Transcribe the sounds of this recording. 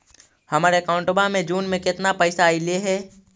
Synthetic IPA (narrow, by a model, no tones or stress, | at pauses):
hɐmaːɾekãːʊ̃ɳʈobamẽd͡ʒuːnmẽkɪt̪napɐːsaileɦɛː